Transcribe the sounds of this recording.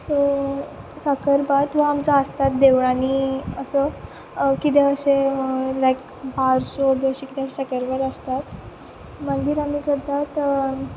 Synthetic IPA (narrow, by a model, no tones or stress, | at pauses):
sɔ | səkəɾbat̪ʋ̤aːmt͡saəst̪at̪̚d̪eʋɳaniəsə | kit̪eəɕelajk | baɾsobeəɕekit̪eəɕesəkəɾbat̪əst̪at̪ | mənd̪iːɾamiːkəɾt̪at̪